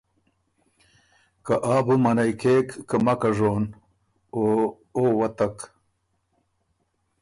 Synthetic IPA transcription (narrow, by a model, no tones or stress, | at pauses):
kaʔaːbumɐnajkeːkːɐmɐkaʐon | o | oːwɐt̪ak